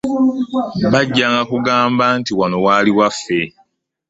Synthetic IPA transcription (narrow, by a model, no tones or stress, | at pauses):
βaɟːaːŋɡakuɡaːmbaːntiwano̞waliwafːe̞